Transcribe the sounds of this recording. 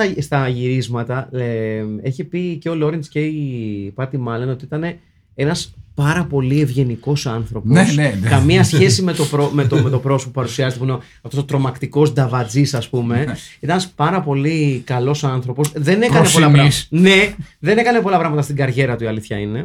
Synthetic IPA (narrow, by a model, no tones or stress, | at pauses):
ɐst̪ɐʝiɾizmɐt̪ɐ | e̞çipiceolo̞ɾinsce̞ipɐt̪imɐlono̞t̪iit̪ɐne̞ | e̞nɐspɐɾɐpo̞lie̞vʝe̞niko̞sɐnθɾo̞poskɐmiɐsçe̞sime̞t̪o̞pɾomet̪omet̪o̞pɾo̞spupɐɾusiɐzet̪epuno | ɐft̪osot̪ɾo̞mɐkt̪iko̞sd̪ɐvɐd͡zisɐspume̞it̪ɐnɐspɐɾɐpo̞likɐlo̞sɐnθɾo̞po̞sðe̞ne̞kɐnepollɐne̞ðe̞ne̞kɐne̞po̞lɐpɾɐɣmɐt̪ɐst̪iɡɐɾʝe̞ɾɐt̪uiɐliθçɐine̞